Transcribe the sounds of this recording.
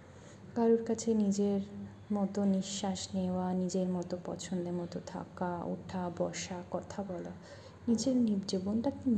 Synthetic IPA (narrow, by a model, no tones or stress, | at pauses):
ɡaɾuɾkat͡ɕʰenid͡ʑeɾ | mɔt̪oniʃːaʃneoanid͡ʑeɾmɔt̪opɔ̰t͡ɕʰond̪eɾmɔt̪ot̪ʰa̰kao̰ʈʰabɔʃakɔt̪ʰabɔla | nid͡ʑeɾnibd͡ʑobonʈakin